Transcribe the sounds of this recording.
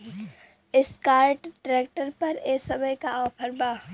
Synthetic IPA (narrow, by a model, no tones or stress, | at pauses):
ɪskaːɾʈɖɾeːk̚ʈəɾpɐɾeːsɐməjkaʔɔːpʰəɾbaː